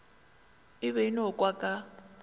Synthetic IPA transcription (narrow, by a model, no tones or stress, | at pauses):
ɪβɛinɔkʼwakʼa